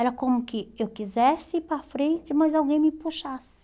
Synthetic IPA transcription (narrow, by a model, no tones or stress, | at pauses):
ɛɾɐkõmʊkɪewkizɛsɪipɾɐfɾẽnt͡ʃɪmɐzawɡẽj̃mɪpuʃasɪ̥